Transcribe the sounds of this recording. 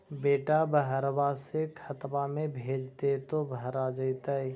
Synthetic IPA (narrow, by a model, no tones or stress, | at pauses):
beːʈabəɦəɾwasekʰət̪bamẽbʱeːd͡ʒt̪et̪obʱəɾad͡ʒəit̪əi